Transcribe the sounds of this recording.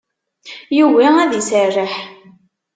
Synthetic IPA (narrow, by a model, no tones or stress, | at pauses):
juwaæðisərːəħ